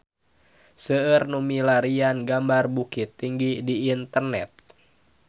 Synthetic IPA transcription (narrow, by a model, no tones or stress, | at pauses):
səərnumilaɾianɡambarbukit̪ːiŋɡidiːnt̪ərnɛ̰t̪̚